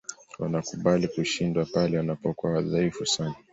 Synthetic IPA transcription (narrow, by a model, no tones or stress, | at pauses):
wanakuɓalikuʃindwapalɛwanapɔkuaðaifusana